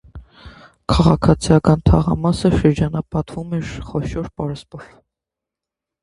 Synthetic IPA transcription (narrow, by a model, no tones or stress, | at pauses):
kʰɑʁɑkʰɑt͡sʰijɑkɑnt̪ʰɑ̰ʁɑ̰mɑsəʃəɾd͡ʒɑnɑpɑt̪vumɛɾχɔʃɔɾpɑɾɛspɔɾ